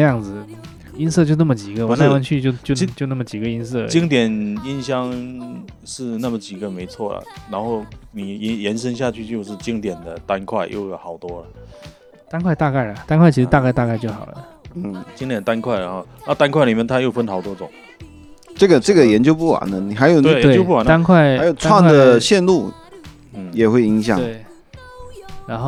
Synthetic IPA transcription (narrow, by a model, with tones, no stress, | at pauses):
jɑ˥˩ŋd͡zɹ̩˩ | i˥nst͡ɕjo˥˧ʊnə˥˩mə˩t͡ɕi˨˩ɡə˦wa˨˦na˥˩˧wa˥nt͡ɕʰy˥˧t͡ɕjo˥˩ʊt͡ɕjʊt͡ɕjna˥˩ə˩t͡ɕi˨˩ɡə˦i˥ns̬ɤ˥˩t͡ɕi˥ŋt̪̬jɛ˨˩ni˥nɕjɑ˥ŋ | ʂɻ̩˥˧na˥˩mə˨˩t͡ɕi˨˩ɡə˦me˧˥ɪt͡sʰwɔ˥˩lə̰˩ɻa˧˥nxo˥˩ʊni˨˩˧jɛ˧˥nʂə˥nɕ̬ja˥˧t͡ɕʰy˥˧t͡ɕjo˥˧ʊʂɻ̩˥˩t͡ɕi˥ŋt̪jɛ˨˩nd̪ə˦t̪a˥nkʰwa˥˩ɪjo̰˥˩ʊjxɑ˨˩ʊt̪wɔ˥lə˨ | t̪a˥nkʰwa˥˧ɪt̪a˥˧ka˥˩ɪlə˩t̪a˥nkʰwa˥˩t͡ɕʰi˥ʂɻ̩˧t̪a˥˧ka˥˧ɪt̪a˥˧ka˥˧ɪt͡ɕjo˥˩xɑ˨˩ʊlə˦˥˩ | t͡ɕi˥ŋt̪jɛ˨˩nə˩t̪a˥nkʰwa˥˩ɪɻa˧˥nxo˥˩ʊɻa˧˥˧t̪a˥nkʰwa˥˩ɪli˨˩mjɛ˥˧nt̪ʰa˥jo˥˩ʊfə˥nxɑ˨˩ʊt̪wɔ˥ʈ͡ʂʊ˨˩˦ŋ | ʈ͡ʂɤ˥˩ɡə˩ʈ͡ʂɤ˥˩ɡə˩jɛ˧˥nt͡ɕjo˥ʊpu˥˩ɐ̰˨˩nə˦ni˨˩xa˧˥ɪjo˨˩ʊ˥˧˨j̪we˥˩t͡ɕo˥pu˥˩˨na˥nkʰwa˥˩ɪa˦ɪjo˨˩ʊt͡sʰwa˥˩ŋ˥d̪ə˩ɕjɛ˥˧nlu˥˩˥ | jɛ˨˩xwe˥˩ɪi˧˥ŋɕjɑ˨˩eŋ˥˩ɪ | ɻa˧˥nxo˥